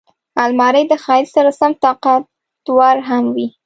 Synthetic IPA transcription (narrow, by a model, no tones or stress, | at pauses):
ɑlmɑɾəjd̪əxɑɪlsaɾasamt̪ɑqat̪ | wɑɾɦamwi